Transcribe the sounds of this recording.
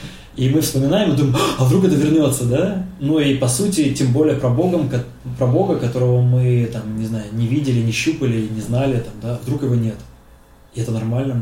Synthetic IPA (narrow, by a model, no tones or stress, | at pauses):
imɨfspəmʲɪnajɪmɨd̪umʲɪmɐvd̪ɾukɛt̪əvʲɪrnʲo̞t̪sːəd̪anuipɐsutʲɪtʲembolʲɪjəpɾɐbo̞ɡəmkɐ | pɾɐbo̞ɡəkɐt̪o̞ɾəvəmɨt̪amnʲɪznajʊnʲɪvʲidʲɪlʲɪnʲɪɕːupəlʲɪnʲɪznalʲɪt̪amd̪avd̪ɾukjɪvo̞nʲet̪ | ɪɛt̪ənɐrmalʲnə